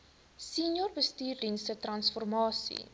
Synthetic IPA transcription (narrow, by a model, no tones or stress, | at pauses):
sinjɔrbəstiːrdinstətrɐnsfɔrmɑːsḭ